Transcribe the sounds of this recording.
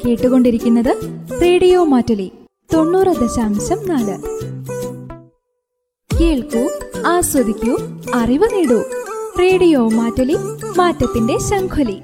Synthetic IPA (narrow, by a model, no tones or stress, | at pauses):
ke̞ːʈːuɣo̞ɳɖiɾikʲːunːɐðɨre̞ːɽijo̞ːmaːtːɐli | t̪o̞ɳːuːrɐd̪ɐɕaːmɕɐmnaːlɨ | keːɭkuaːswɐd̪ikʲːuɐriʋɐniɽureːɽijo̞ːmaːtːɐlimaːtːɐt̪ːinde̞ɕɐŋkʰoli